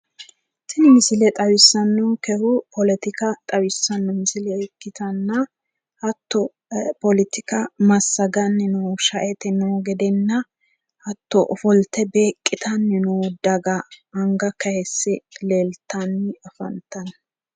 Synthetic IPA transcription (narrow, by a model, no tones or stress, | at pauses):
sɪnɪmɪsɪlɛt̪ʼɐwɪsːɐnːɔkɛhʊpʰɔlɛt̪ɪkɐt̪ʼɐwɪsːɐnːɔmɪsɪlɛɛkːɪt̪ɐnːɐ | ɐt̪ːɔ | pɔlɪt̪ɪkɐmɐsːɐɡɐnːɪnuwʃɐʔɛt̪ɛnɔɡɛd̪ɛnːɐ | ʔɐt̪ːɔʔɔfɔlt̪ːɛbeːkʼːɪt̪ɐnːɪnɔwd̪ɐɡɐɐŋɡɐkɐhɛsːɛleːlt̪ːɐnːɪɐfɐ̰nt̪ɐn